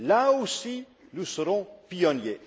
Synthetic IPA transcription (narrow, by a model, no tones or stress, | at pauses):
laosi | nusəʁɔ̃pijɔnje